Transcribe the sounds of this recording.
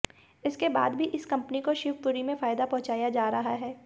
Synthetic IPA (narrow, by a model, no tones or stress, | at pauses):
ɪskeba̰ːd̪bʱiʔɪskɐ̃mpnikoʃɪʋpʊɾimẽfaːjd̪apɔ̃ɦʊ̃t͡ʃaːjad͡ʒaːɾɐɦaɦɛː